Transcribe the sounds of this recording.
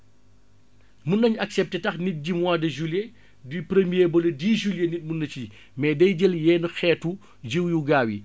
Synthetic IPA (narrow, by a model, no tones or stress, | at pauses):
munːɐɲɐksɛp̚tɛtɐxnit̚ɟimwaːdɐʒulje | dipɾemijebɔlɐdiːʒuljenit̚munːɐci | mɛːdɛjɟəljɛːnuxɛːtu | d͡ʒiwjuɡaːwi